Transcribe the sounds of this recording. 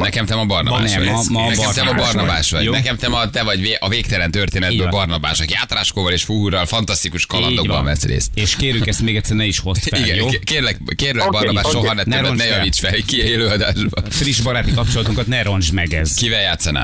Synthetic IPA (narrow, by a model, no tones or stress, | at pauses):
nɛkɛmt̪ɛmɒbɒrnɒba̰ːɛmnɛɛmt̪ɛmɒbɒrnɒbaːʃʋɒɟnɛkɛmt̪ɛmɒt̪ɛvɒɟveːʔɒveːk̚t̪ɛlɛnt̪ørt̪eːnɛd̪bøːbɒrnɒba̰ːʃɒkijaːt̪raːʃkoːvɒleːʃfuɦuɾɒlfɒnt̪ɒst̪ikuʃkɒllɒ̰d̪oɡbɒ̰ɱvɛsrḛːst̪eːʃkeːɾykɛst̪meːɡɛt̪sːɛrnɛiʃho̞siɡɛjkeːrlɛkeːɾlɛbɒrnɒbaːʃʃoɦ̪ɒnɛnɾɛnnɛjɒviːt͡ʃfɛlkieløːɒd̪aːʒbɒfriʒbɒɾaːt̪ikɒp̚t͡ʃo̞lɒt̪uŋkɒt̪nɛɾo̞nd͡ʒmɛɡɛ̰zkivɛljaːt̪sːɒna̰ː